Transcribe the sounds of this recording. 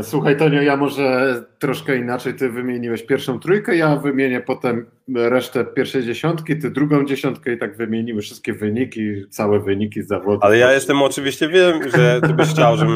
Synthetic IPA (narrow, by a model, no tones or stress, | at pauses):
swuxajt̪ɔɲɔjamɔʐɛt̪ɾɔʂkɛinat͡ʂɛjt̪ɘvɘmʲjeɲiwɛɕpʲjɛɾfʂɔ̃w̃t̪ɾujkɛjavɘmʲjeɲɛpɔt̪ɛm | ɾɛʂt̪ɛpʲjɛɾfʂɛjd͡ʑeɕɔnt̪kʲit̪ɘd̪ɾuɡɔ̃w̃d͡ʑeɕɔnt̪̚kɛit̪aɡvɘmʲjeɲiwɘfʂɨst̪̚kʲɛvɘɲikʲit̪sawɛvɘɲikʲizavɔd̪alɛjajɛst̪ɛmɔt͡ʂɘvʲiɕt͡ɕɛvʲjɛmʐɛtɛbxt͡ɕawʐɛ